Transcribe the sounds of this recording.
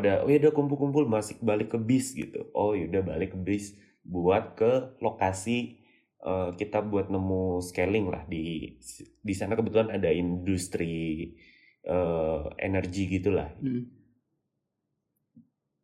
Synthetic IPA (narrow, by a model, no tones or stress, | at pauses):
adao̰jaudakumpʊlkumpʊlmasɪk̚balɪkːəbɪsɡḭt̪ṵʔojudahbalɪkːəbɪs | buat̪̚kəlokasi | ʔəːkit̪abuat̪̚nəmuskelɪŋla̰hdi | disanakəbət̪ulanadaindust̪ɾi | əḛnərɡiɡit̪ula̰h